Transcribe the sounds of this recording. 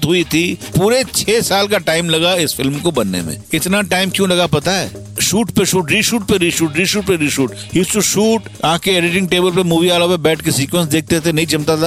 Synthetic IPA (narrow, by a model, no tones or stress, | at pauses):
t̪ɦʊit̪ʰipuːɾet͡ʃʰɛːsaːlkaʈaːɪmlɐɡaɪsfɪlmkobɐnːḛmḛ̃kɪt̪naʈaːɪmkjũlɐɡapɐt̪aɦɛ̰ː | ʃuːʈpeʃuːʈɾiːʃuːʈ̚peɾiːʃuːʈɾiːʃuːʈpeɾiːʃuːʈ | ɦuːsʈuʃuːʈãːkeeːɖɪʈɪ̃ŋɡ̚ʈeːbəlpemuːʋiaːlopebɛːʈʰkesiːkwə̃nsd̪eːk̚ʰt̪et̪ʰenɐɦĩd͡ʒɐmt̪at̪a